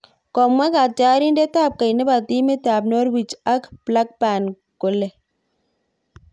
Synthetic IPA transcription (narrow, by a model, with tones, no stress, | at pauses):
kɔ˨mwa˦ka˨t͡ʃaː˦ɾi˦ndɛ˦t̪aː˦˨p̚ka˨jnɛ˦ba˨t̪i˦me˦t̪aː˨bnɔ˦ɾwi˨t͡ʃa˦kpla˦k̚pa˨n | kʊ˨lɛ˨